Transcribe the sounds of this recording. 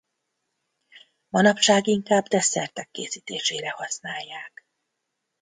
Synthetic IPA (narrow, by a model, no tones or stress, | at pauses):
mɒnɒpʃaːɡiŋkaːbd̪ɛsɛrt̪ɛkːeːsiːt̪eːʃeːɾɛhɒsnaːjːaːk